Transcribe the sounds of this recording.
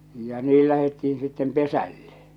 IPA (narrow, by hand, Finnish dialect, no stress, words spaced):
jɑ niː læhetːiin sitːem pesælːe